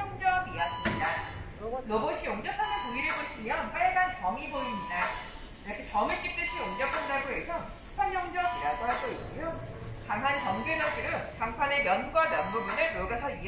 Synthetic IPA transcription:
ʌŋd͡ʑʌmijaɡimɲida | nʌboɕʰioŋd͡ʑʌp̚tʰanapoiɾɯɭboɕʰimjʌnpaɭeɡant͡ɕʌŋiboiɲida | eikʰet͡ɕʌmɯɭk͈ip̚t͈ɯɕʰioŋd͡ʑʌp̚t͈ʰandaɡoɦesʰʌ̥ | pʰand͡ʑʌŋd͡ʑʌbiaɡɯɭɦaɭs͈ʰʌik͈ujo | taŋɦant͡ɕʌŋɡesadɯɾɯnt͡ɕaŋpʰwane̞jʌnɡwamjʌnbubunɯɭmoɡasʰʌi

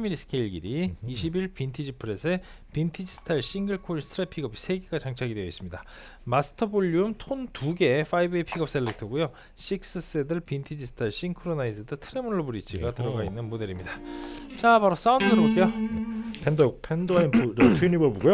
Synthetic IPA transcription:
miɾisʰɯ̥kʰeiɭɡḭɾiːɕ̬ʰibiɭpintʰid͡ʑipʰɯɾe̞sʰe | pintʰid͡ʑisʰɯ̥tʰaɭɕ͈iŋɡɯɭkʰoɾistʰɾapʰiɡʌbisʰe̞ɡeɡat͡ɕaŋt͡ɕʰaɡidwe̞jʌis͈ɯmɲida | masʰɯ̥tʰʌboʎːiumtʰontuɡe̞fʰaibɯeipʰiɡʌp̚s͈e̞ɭːek̚tʰɯɡujo | ɕʰik̚s͈ɯs͈edɯɭpintʰid͡ʑisʰɯ̥tʰaɭɕ͈inkʰoɾonaisʰɯdɯtʰɯɾemunɯɭːobuɾit͡ɕʰiɡatɯɾʌɡainːɯnmodeɾimɲidat͡ɕapaɾos͈aundɯdɯɾobok͈ejopʰendojok̚pʰendoainuɾt͡ɕʰinibɯboɡujo

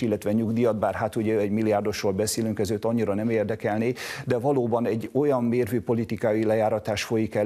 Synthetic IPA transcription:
ilːɛt̪ʋɛɲuɡd̪ijɒd̪̚baːrɦat̪uɟɛɛɟmilːijaːrd̪o̞ʃroːlbɛseːlyŋkɛzøːt̪ːɒɲːiɾɒnɛmeːrd̪ɛkɛlneːd̪ɛvɒloːbɒnɛɟːo̞jɒmmeːrvøːpo̞lit̪ikaːjilɛjaːɾɒt̪aːʃfo̞jikɛ

